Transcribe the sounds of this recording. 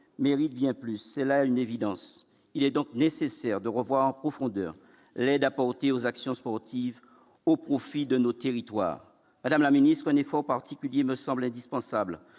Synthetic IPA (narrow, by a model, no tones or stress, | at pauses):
meʁit̪̚bjɛ̃plysːɛlaɛynevid̪ɑ̃s | ilɛd̪ɔ̃k̚nesesɛʁd̪əʁəvwaʁɑ̃pχɔfɔ̃d̪œ̰ʁ | lɛd̪apɔʁt̪eozaksjɔ̃spɔʁt̪iv | opχofid̪ənot̪eʁit̪wa̰ːʁ | mad̪amlaminist̪χɛ̃nefɔʁpaʁt̪ikʲyljeməsɑ̃blɛ̃d̪ispɑ̃sabl